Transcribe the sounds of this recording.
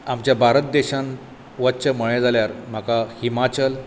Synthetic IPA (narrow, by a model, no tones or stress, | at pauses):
amt͡ɕjabʱaɾət̪̚d̪eɕãn | ʋətːɕəməɭẽd͡zʱaljaɾm̤akahimat͡ɕəl